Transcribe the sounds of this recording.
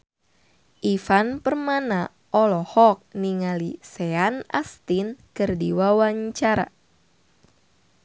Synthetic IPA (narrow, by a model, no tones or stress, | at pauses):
ʔifanpərmana | ʔɔlɔhɔk̚niŋaliseana̰st̪inkɨrdiwawaɲt͡ʃaɾa̰